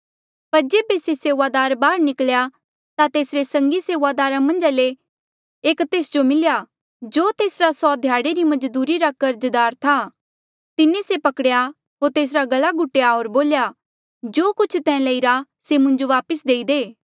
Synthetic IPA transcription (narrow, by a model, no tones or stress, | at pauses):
pɐɾd͡ʒeːbeseseːʋad̪aːɾbaːɾnɪklja | t̪at̪eːsɾesɐ̃ŋɡiseːʋad̪aːɾamɐ̃nd͡ʒale | eːkt̪eːsd͡ʒomɪlja | d͡ʒoːt̪eːsɾasɔːd̪ʱjaːɽeɾimɐd͡ʒd̪uːɾiɾakɐɾd͡ʒd̪aːɾt̪ʰa | t̪ɪnesepɐkɽja | ɦoːɾt̪eːs̬ɾaɡɐlaɡʱʊʈːejaoːɾboːlja | d͡ʒoːkʊt͡ʃʰt̪ɛ̃lɐiɾasemʊ̃nd͡ʒoʋaːpəsd̪eːid̪eː